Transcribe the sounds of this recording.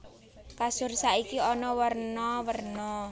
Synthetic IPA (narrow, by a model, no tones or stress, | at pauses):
kasʊrsaikiɔnɔwərnɔwərnɔ